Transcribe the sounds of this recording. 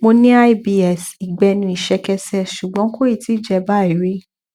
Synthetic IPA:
mo˧nĩ˦a˦jbi˧ɛ˨si˨ɡ͡bɛ˧nĩ˧i˨ʃɛ˧kɛ˧sɛ˦ʃu˨ɡ͡bɔ̃˨˦ko˦i˦˨ti˨˦d͡ʒɛ˧ba˦˨i˨˦ɾe˦

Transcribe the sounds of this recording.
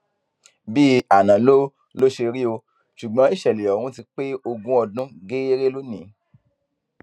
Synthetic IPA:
bi˦a˨nã˨lo˦ | lo˦ʃe˧ɾi˦o˧ | ʃu˨ɡ͡bɔ̃˨˦i˦˨ʃɛ˨le˨ɔ˨wũ˦ti˧k͡pe˦o˧ɡũ˦ɔ˧dũ˦ɡe˦e˦ɾe˦lo˦nĩ˨˦

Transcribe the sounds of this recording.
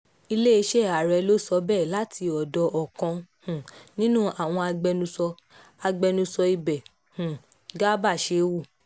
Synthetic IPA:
i˧le˦i˧ʃɛ˦˨a˨ɾɛ˧lo˦sɔ˧˦bɛ˦˨la˨˦tʰi˧ɔ˨dɔ˧ʔɔ˨kɔ̃˧hũ˨nĩ˦nũ˦a˨w̃ɔ̃˧a˧ɡ͡bɛ˧nũ˧sɔ˧ | a˧ɡ͡bɛ˧nũ˧sɔ˧i˧bɛ˨ | hũ˨ | ɡa˦ba˦˨ʃe˨˧wu˦˨

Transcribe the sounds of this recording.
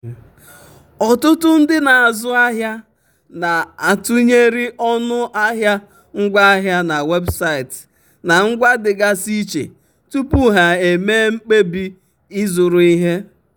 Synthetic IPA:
ɔ˨tʊ˦tʊ˦n̩˦dɪ˦na˨a˨zʊ˦a˦ɦja˦ | na˨a˨tu˦ɲe˦ɾi˦ʔɔ˦nʊ˦ʔa˦ɦja˦ | ŋ̩˦ɡʷa˦a˦ɦja˦na˨we˦bsa˦i˨t | na˨ŋ̩˦ɡʷa˦dɪ˨ɡa˦si˦t͡ʃḛ˨ | tu˦pu˦ɦa˨e˨me˦ŋ͡m̩˦k͡pe˦bi˦ | i˦zʊ˨ɾʊ˨i˦ɦe˦

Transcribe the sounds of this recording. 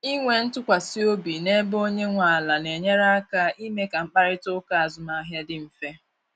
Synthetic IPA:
i˦ŋʷe˨n̩˦tʊ˦kʷa˨si˦o˦bi˨ne˦bo˦ɲe˦ŋʷa˨a˨la˨ne˨ɲe˦ɾa˦a˦ka˦ʔi˦me˦ka˨ŋ͡m̩˦k͡pa˦ɾɪ˦tʊ˦ka˦a˨zʊ˨ma˨˦ɦja˦dɪ˦m̩˨fe˦

